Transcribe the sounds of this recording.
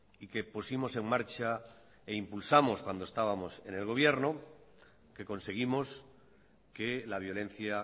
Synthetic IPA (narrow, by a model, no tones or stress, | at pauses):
ike̞pusimo̞se̞ŋmaɾt͡ʃa | eimpulsamo̞skwand̪oest̪aβ̞amo̞se̞ne̞lɣ̞o̞β̞je̞ɾno | ke̞ko̞nse̞ɣ̞imo̞s | ke̞laβ̞jo̞lẽ̞n̟θja